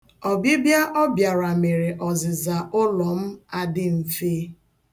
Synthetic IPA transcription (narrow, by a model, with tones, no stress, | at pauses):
ɔ˨bɪ˦bja˦ʔɔ˦bja˨ɾa˨me˨ɾe˨ʔɔ˨zɪ˨za˨ʔʊ˦lɔ˨m̩˦a˨dɪ˦m̩˨feː˦